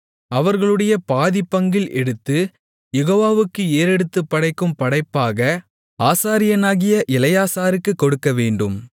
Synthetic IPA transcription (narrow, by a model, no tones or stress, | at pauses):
ɐʋɐɾɣɐɭɯɽɐjɐpaːðɪpːɐŋɡɪlʔɛɽɯt̪ːɯ | jɛɣoːʋaːʋɯkːɯeːɾɛɽɯt̪ːɯpːɐɽɐɪkːɯmpɐɽɐɪpːaːɣɐ | aːsaːɾɪjɐnaːɣɪjɐʔɪlɐjaːsaːɾɯkːɯkːɔɽɯkːɐʋeːɳɖɯm